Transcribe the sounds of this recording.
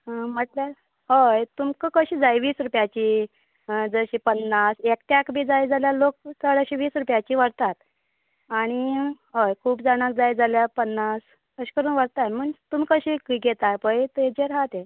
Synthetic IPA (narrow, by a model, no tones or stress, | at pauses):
m̤əʈlja | ɦəjt̪umkəkəɕiːd͡zajʋiːsɾupjat͡ɕiː | d͡zəɕiːpənːasekʈ̪jakbʱiːd͡zajd͡zaljalok̚t͡səɽaɕiʋiːsɾupjat͡ɕiːʋəɽt̪at̪ | aɽ̃iɦəjkʰuːpd͡zaɽ̃akd͡zajd͡zaljapənːas | kəɕi̥kəɾuːnʋəɽt̪anm̤əɳt̪umikəɕiːkiɡʱet̪ajpəjt̪ed͡ʑeɾɦat̪e